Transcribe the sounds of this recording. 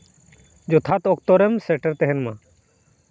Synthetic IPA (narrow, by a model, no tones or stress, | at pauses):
d͡ʒɔt̪ʰat̪ɔkt̪ɔɾɛmsɛʈəɾt̪ɛɦɛnmã